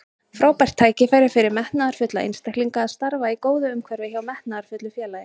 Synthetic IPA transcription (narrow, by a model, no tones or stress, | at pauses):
fɾaːwpajr̥t̪ʰːaːjcɪfajɾɪɾfɪɾɪɾmɛht̪naaɾ̥fʏt̪laʔḛnst̪ahkliŋkaːðst̪aɾvaikoːwðʏʏmkʰvɛɾvɪçavmɛht̪naðaɾ̥fʏt̪lʏfjɛːlajɪ